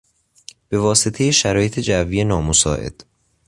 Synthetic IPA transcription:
b̥e̞vɒːset̪ʰe̞jeʃæɾɒːje̞t̪ʰed͡ʒævːije̞nɒːmosɒ̰ːʔe̞̰d̪̥

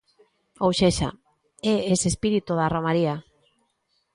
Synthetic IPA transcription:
owʃeʃa̰ | eesespiɾit̪uðaromaɾia

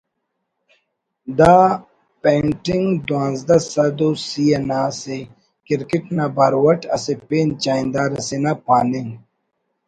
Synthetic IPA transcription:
d̪aː | peːɳʈiŋɡd̪wãːnzd̪ɐsɐd̪osijɐnaːse | kiɾkiʈnabaɾwɐʈɐsepeːnt͡ɕaːĩnd̪aːɾɐsenapaːniŋ

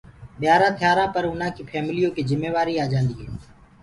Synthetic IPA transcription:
ɓɪjaːɾãːt̪ʰɪjaːɾãːpəɾʊn̤ãːkiːpʰɛːmlijõːkiːzɪmːeːʋaːɾiːaːd͡ʒãːnd̪iːɦɛ̰ː

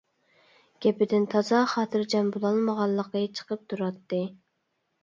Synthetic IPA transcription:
ɡ̥ʲɛpɪd̪ɪnt̪ʰɑzɑχɑːt̪ʰɨɾd͡ʒɛnbulˠɑlˠməʁɑlˠːəqət͡ʃʰə̥qəp̚t̪ʰuɾɑt̪ːɨ

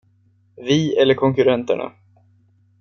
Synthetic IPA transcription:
vɪːɛlːəɾkʰɔŋkɵɾɛnt̪ə̰ɳa̰

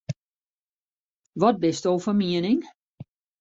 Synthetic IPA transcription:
ʋɔt̚bɪstowfərmiənɪŋ

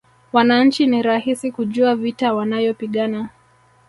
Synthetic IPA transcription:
wanaɲ̩t͡ʃiniɾahisikuʄuavitawanajɔpiɠana

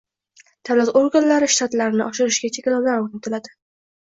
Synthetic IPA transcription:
t̪ʰalat̪oŋkʲʊnlaɾɪʃt̪ʰat̪laɾɪnɪʔɒʃɪɾɪʃɡʲat͡ʃʰekʲlawlaɾoɾnɪt̪ʰɪlad̪ɪ̥

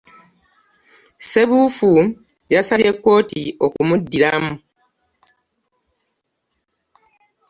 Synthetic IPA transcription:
se̞βuːfu | jasaβie̞kːo̞ːtio̞kumudːilamu

